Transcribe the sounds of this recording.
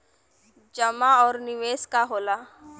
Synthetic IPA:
d͡ʒəmaɔːɾnɪʋeːskaɦoːlaː

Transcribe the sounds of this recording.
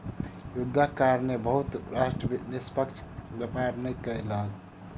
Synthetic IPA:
jud̪ʱːakaɾnebəɦut̪ɾasʈɾənispəkt͡ʃʰbjepaɾnəjkəjlɦəl

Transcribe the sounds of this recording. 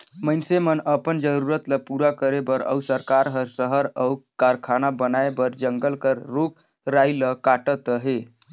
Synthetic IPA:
mənsemənəpənd͡ʒəɾuɾət̪ləpuɾakəɾebəɾə̰usəɾkaɾɦəɾsəɦəɾəwkaɾkʰanabənaebəɾd͡ʒəŋɡəlkəɾːok | ɾajləkaʈət̪əɦe

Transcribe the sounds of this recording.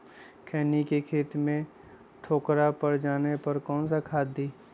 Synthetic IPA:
kʰɛːnikekʰeːt̪mẽ | ʈʰoːkɾapɐɾd͡ʒaːnepɐɾkɔːnsakʰaːd̪iː

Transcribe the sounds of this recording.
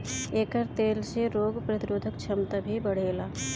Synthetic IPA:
eːkəɾt̪eːlseɾoːɡpɾɐt̪ɪɾoːd̪ʱəkt͡ʃʰɐmt̪abʱibəɽ̤eːlaː

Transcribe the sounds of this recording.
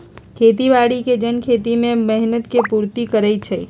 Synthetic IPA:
kʰeːt̪ibaɽiked͡ʒənkʰeːt̪imẽməɦnət̪kepuːɾt̪ikəɾɛt͡ʃʰɛ

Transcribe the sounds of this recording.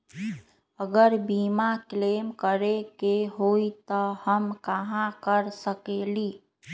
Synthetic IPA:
əɡəɾbimaklemkəɾekeɦoit̪əhəmkaɦãkəɾsəkeli

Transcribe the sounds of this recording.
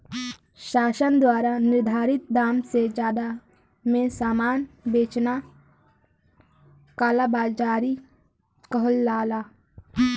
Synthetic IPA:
ʃaːʃənd̪waːɾanɪɾd̪ʱaːɾɪt̪̚d̪aːmsed͡ʒjaːd̪a | mẽsaːmaːnbeːt͡ʃna | kaːlabaːlt͡ʃaːɾi | kəɦəlːaːlaː

